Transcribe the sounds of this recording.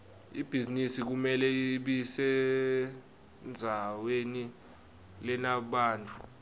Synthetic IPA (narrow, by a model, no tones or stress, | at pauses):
ib̥ʱizinisik̬umɛlɛɓisɛ | nd͡zʱaweni | lɛnaɓaːntʼu̥